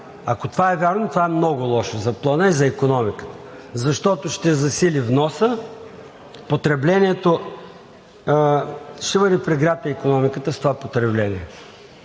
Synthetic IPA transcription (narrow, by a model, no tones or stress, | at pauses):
ɐkot̪ovaɛvʲaɾnot̪ovaɛmnɔɡʊlˠɔʃozɐplˠənəizɐikonɔmikə̥t̪ə̥zɐʃt̪ɔt̪oʃt̪ɛzɐsilivnɔsə | pot̪ɾɛblɛniɛt̪o | ʃɛbəd̪ɛpɾɛɡɾat̪ɐikonɔmikət̪əst̪ovapot̪ɾɛblɛniɛ